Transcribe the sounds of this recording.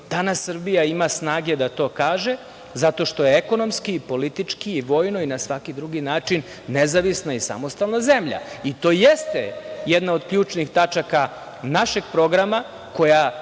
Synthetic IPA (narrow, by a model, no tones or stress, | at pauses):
d̪̥anasːərbijaimasnaːɡe̞d̪at̪o̞ːkaːʒe̞ | zat̪o̞ʃt̪o̞jeeko̞no̞mskiːpo̞lit̪it͡ʂkiːʋo̞ːjno̞inasʋakid̪ɾuɡinaːt͡ʂinː | ezaʋisnaisa̰mo̞st̪alˠnazemʎa̰it̪o̞ːjest̪ḛjed̪nao̞d̪kʎuːt͡ʃnixt̪at͡ʃaka | naʃe̞ɡ̚pɾo̞ɡɾama | ko̞ja